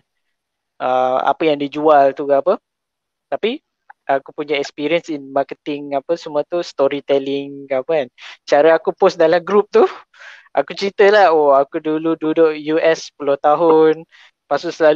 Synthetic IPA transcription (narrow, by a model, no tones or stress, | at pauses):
ʔəma̰pəjaŋdid͡ʒualt̪ukaapə | t̪api | ʔakupuɲaɛkspiɾiənsinmakət̪ɪŋapəsəmũat̪ust̪oɾit̪ɛlɪŋkaapəant͡ʃaɾəakupɔsdalamɡɾup̚t̪u | ʔakut͡ʃɾit̪əlahoakudulududʊʔjuʔɛspulʊht̪aɦʊn | pasʊʔsəla